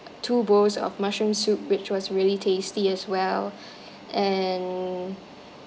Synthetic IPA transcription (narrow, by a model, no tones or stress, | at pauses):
tʰubosɔ̰fmaʃɹə̃msup̚wɪt͡ʃwɔsɹiəlitʰestiɛswɛl | ʔɛ̃n